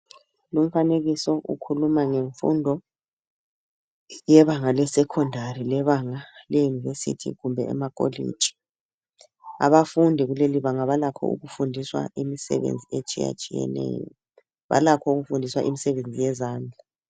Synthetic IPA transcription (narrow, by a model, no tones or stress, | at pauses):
lum̩faneɣisɔʔṵkʰulumaŋeɱfṵndʱɔ | jɛβaŋalɛsɛkʰɔndʱarilɛβaŋalɛjunivesḭtʰḭɣumbʱɛɛ̰makʼo̰lḭ̥d͡ʒ̥ʱi̥ | a̰βafundʱiɣuleliβaŋaβalakʰɔ̰ṵɣufundʱiswa̰imisɛ̰βḛnd͡zʱiet͡ʃʼija̰t͡ʃʼijɛ̰nɛ̰ːjɔ̰ | βa̰lakʰɔuɣufundʱiswa̰ʔimisɛβend͡zʱijɛzaːnd͡ɮʱa